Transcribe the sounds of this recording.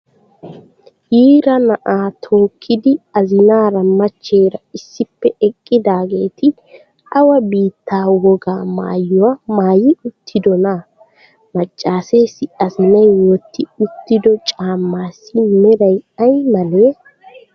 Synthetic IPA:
jiːɾɐnɐʔaːt̪ʰo̞ːkʰːɪd̪ɪɐzɪnaːɾɐmːɐt͡ʃːe̞ːɾɐɪsːɪpːɛʔɛkʼːɪd̪aːɡe̞ːt̪ɪ | ɐwɐbiːt̪ːaːwɔɡaːma̰ːjːʊwɐmaːjɪʊt̪ʰːɪd̪ɔna | mɐt͡ʃʼːaːseːsɪɐzɪnɐjwoːt̪ːɪʊt̪ːɪd̪ɔt͡ʃʼaːmːaːsɪmɛɾɐjɐjmɐneː

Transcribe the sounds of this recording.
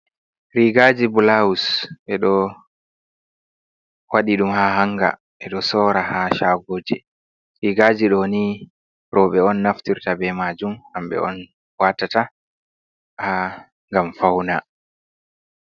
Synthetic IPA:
ɾiːɡaːd͡ʒibulawusɓɛɗɔ | waɗiɗumhaɦaŋɡa̰ | ʔɛɗɔsɔːɾahaʃaːɡoːd͡ʒɛ | ɾiːɡaːd͡ʒiɗɔni | ɾɔɓɛɔnːaftiɾtabɛmaːd͡ʒumhamɓɛ̰ɔ̰n | watːata | ha | ŋɡamfawna

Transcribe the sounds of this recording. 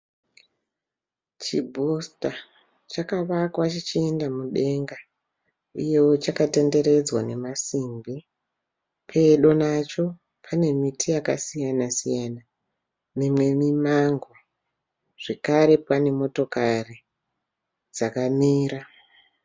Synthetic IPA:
t͡ʃibʱusta | t͡ʃakaʋakwat͡ʃit͡ʃiendamuɗe̞ŋɡa | uje̞wo̞t͡ʃakate̞nde̞ɾe̞d͡zwane̞masimbi | pʰe̞ɗo̞nat͡ʃo̞ | pʰane̞mitijakasijanasijaːna | mimwe̞mimaŋɡo | ʐ̥e̞kaɾe̞pane̞mo̞to̞kari | d͡zakamiːɾa

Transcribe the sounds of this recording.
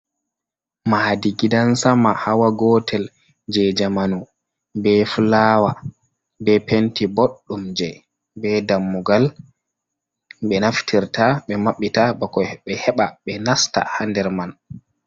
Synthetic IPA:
maːdiɡidansamahawaɡɔtʰɛl | d͡ʒɛd͡ʒamanu | bɛfulaːwa | bɛpentiboɗːumd͡ʒɛ | bɛdamːuɡal | ɓɛnaftʰiɾtaɓɛmaɓːitabɔkɔɓɛhɛɓaɓɛnasta̰handɛɾman

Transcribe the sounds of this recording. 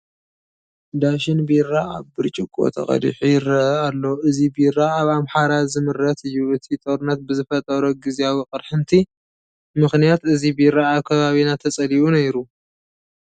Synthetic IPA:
d̪aʃɪnbiraaβbɨɾt͡ʃʼɪkʼo̰t̪ʰɐ̰χʼɐ̰lḭħujɪɾɐʔɐalːoʔɨzibiɾːaaβamħaɾazɨmɨɾːɐt̪ɨjːuʔɨt̪ʰit̪ʼoɾɨnːɐt̪̚bɨzɨfɐt̪ʼɐɾoɡɨziawiqʼɨɾħɨnt̪ʰi | mɨxnijat̪ɨzibijɾaʔakʰɐβaβinat̪ʰɐt͡sʼɐliʔunɐjɾu

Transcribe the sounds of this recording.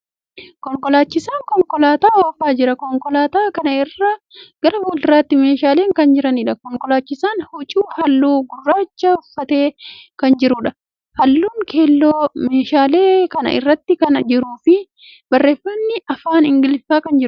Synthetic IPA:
kɔŋkɔlaːt͡ʃːɪsaːŋkɔŋkɔlaːt̪aːwofaːd͡ʒɪɾɐkɔŋkɔlaːt̪aːkɐnɐɪrːɐ | ɡ̥ɐɾɐbuld̪ɾaːt̪ːɪme̞ːʃaːle̞ːŋkɐnd͡ʒɪɾɐniᶑɐkɔŋkɔlaːt͡ʃːɪsaːnhʊt͡ʃʼuːhɐlːuːɡʊrːaːt͡ʃːɐʊfːɐt̪e̞ːkɐnd͡ʒɪɾʊᶑɐ | hɐlːuːŋkʰe̞ːlːoːmeːʃaːle̞ːkɐnɐ̰ʔɪ̰rːɐt̪ːɪkɐnɐd͡ʒɪɾuːfɪ | bɐrːe̞ːfːɐnːɪɐfaːnɪŋɡɪlfaːkɐnd͡ʒɪɾʊ

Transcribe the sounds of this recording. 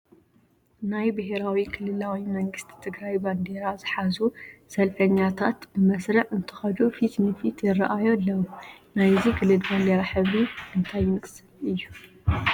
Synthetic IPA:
najbɨɦeɾawikʰɨlɨlawimɐŋɡɨst̪ʰi̥t̪ʰɨɡɾajband̪eɾazɨħazusɐlfɐɲːat̪ʰat̪bɨmɐsɾɐʕɨnt̪ʰɨ̥xɐd͡ʒofit̪nɨfit̪ʰjɪrɐʔajolːɐwnajzikʰɨlɨlband̪eɾaħɨβɾiʔɨnt̪ʰajmɨkʼɨ̥sɨlɨjːu

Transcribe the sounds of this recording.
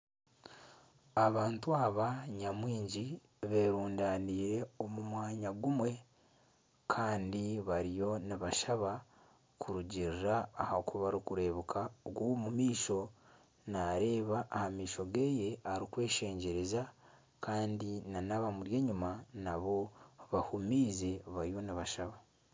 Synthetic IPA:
aβaːntuaβaɲamwiːɲɟi | βe̞ːɾuːndaːniːɾe̞o̞mumwaːɲaɡumwe̞ | kʰaːndiβaɾijo̞niβaʃaβa | kʰuɾuɟiɾɾaːhakuβaɾikuɾe̞ːβukʰaɡwomumiːʃo̞ | naɾe̞ːβaʔːhamiːʃo̞ɡe̞ːje̞aɾikwe̞ːʃe̞ːɲɟe̞ɾe̞za | kʰaːndinanaβamuɾje̞ːɲumanaβo̞βahumiːze̞βaɾijo̞niβaʃaβa

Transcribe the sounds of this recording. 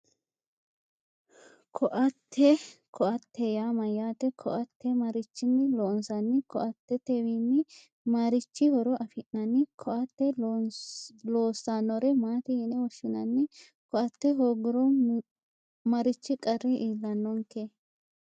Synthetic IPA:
kʰɔʔɐt̪ʰːɛkʰɔʔɐt̪ːɛjaːmɐjaːt̪ɛkʰɔʔɐt̪ːɛmɐɾɪt͡ʃːɪnːɪloːnsɐnːɪkɔ̰ʔɐt̪ːɛt̪ɛwinːɪ | maɾɪt͡ʃːɪhɔɾɔʔɐfɪnːɐnːɪkʰɔʔɐt̪ːɛ | loːsːaːnːɔɾɛmaːt̪ɪjɛnɛwɔʃːɪnɐnːɪ | kɔʔɐt̪ːɛɦoːɡɪɾɔ | mɐɾɪt͡ʃːɪkʼɐrːɛʔiːlːɐnːɔŋke

